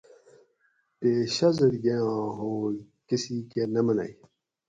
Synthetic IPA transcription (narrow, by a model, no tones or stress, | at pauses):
peɕɐzɐɾɡejãːɦo | kisikenɐmɐna̰i